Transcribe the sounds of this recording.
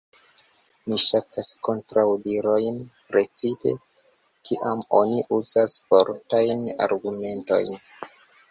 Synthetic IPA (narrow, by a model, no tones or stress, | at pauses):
miʃatasko̞ntɾawdiɾo̞jnpɾe̞t͡sipe̞̰ | kʰiʔamo̞̰niʔuzasfoɾtajna̰ɾɡume̞nto̞̰jn